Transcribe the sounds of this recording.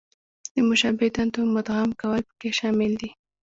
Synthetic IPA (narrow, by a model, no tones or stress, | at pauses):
d̪̥əmʊʃɑbɪd̪ant̪omʊt̪ɣamkawəlpə̥keʃɑmɪld̪i